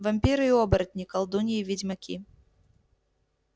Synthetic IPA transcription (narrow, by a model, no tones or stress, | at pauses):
vɐmʲpʲiɾɨiɔbɐɾɐt̪ʲnʲikɐlˠd̪unʲiivʲid͡zʲmɐkʲʰḭ